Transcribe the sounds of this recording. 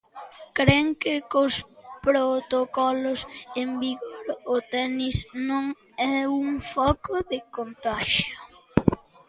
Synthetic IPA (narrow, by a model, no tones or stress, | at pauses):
kɾeŋkɪkʊspɾot̪okɔlʊsembiɣoɾʊt̪ɛnisnõŋ | ɛuŋfɔkoðɪkont̪aʃjʊ